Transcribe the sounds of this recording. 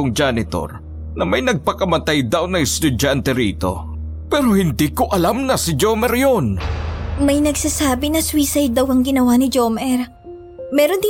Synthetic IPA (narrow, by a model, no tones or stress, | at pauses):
ʊŋd͡ʒanɪt̪o̞̰ɾ | nɐmɐjnɐɡ̚pɐkɐmɐt̪ajd̪awnɐŋɪst̪ʊd͡ʒant̪ɛɾiːt̪o̞̰ | pɛɾo̞hɪnd̪ikoʔɐlamnɐsɪd͡ʒomɛɾjon | mɐjnɐɡsasaːbɪnɐswiːsɐjd̪ɐwɐŋɡɪnɐwanɪd͡ʒomɛɾ | mɛːɾond̪ɪ